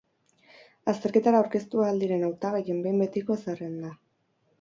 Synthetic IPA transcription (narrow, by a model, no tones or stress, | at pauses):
ast̪e̞ɾke̞t̪aɾaawɾke̞st̪uaːld̪iɾe̞nawt̪aɣeje̞mbe̞jmbe̞t̪iko̞esarend̪a